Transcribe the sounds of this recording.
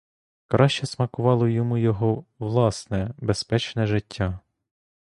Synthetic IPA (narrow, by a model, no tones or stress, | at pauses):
kɾʔɑʃt͡ʃɛsmɐkʊʋɑlˠɔjɔmujɔɦɔʋlˠɑsnɛbespɛt͡ʃnɛʒɪtʲʰːa